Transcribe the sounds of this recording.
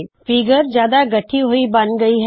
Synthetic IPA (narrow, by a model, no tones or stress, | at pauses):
fiɡəɾd͡ʒjaːd̪aɡɐʈʰːiɦoibɐnɡɐiɦɛ